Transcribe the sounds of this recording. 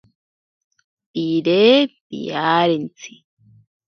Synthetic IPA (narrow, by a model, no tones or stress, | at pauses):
iɾebḭjaːɾent͡si